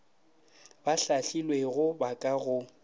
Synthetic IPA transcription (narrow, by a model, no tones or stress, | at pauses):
baɬaɬilweɣʊbakʼaɣʊ